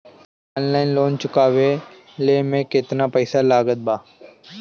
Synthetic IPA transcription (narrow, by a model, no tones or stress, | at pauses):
ɔːnlaːɪnloːnt͡ʃʊkaːʋe | leːmẽkɪt̪napəɪsalaːɡət̪̚baː